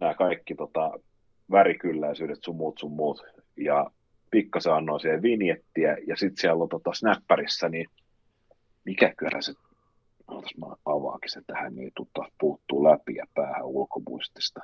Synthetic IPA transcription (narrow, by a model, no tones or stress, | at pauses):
næːkɑikːit̪ot̪ɑ | ʋæɾikylːæisyːdet̪summuːt̪summuːt̪ | jɑ | pikːɑseɑnːoisiheʋʋinjet̪ːiæjɑsit̪siælːot̪ot̪ɑsnæpːærisːæni | mikækyælhæse | sɑnot̪ɑ̥smɑ̰ɑʋɑ̰ˑːki̥set̪ːæhænnḭˑit̪ut̪ːɑspuːt̪ːuːlæpiɑ̰pæːhæ̰ulkomṵist̪i̥st̪ɑ̥